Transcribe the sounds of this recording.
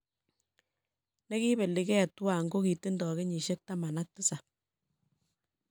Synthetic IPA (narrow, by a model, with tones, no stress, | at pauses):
nɛ˦ki˦be˨li˨kɛ˦˨twa˨ŋɡo˦ki˨ti˦ndɔ˨ke˦ɲi˨ʃe˦k̚ta˦ma˨na˦k̚tu˦sa˨